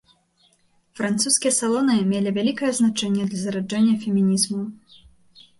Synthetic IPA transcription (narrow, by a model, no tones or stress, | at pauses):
fɾant̪suskʲijɐsalˠɔnɨmʲelʲivʲalʲikɐjɛznat͡ʂɛnʲːɛd̪lʲɐzɐɾad͡ʐɛnʲːɐfʲɛmʲinʲizmɐw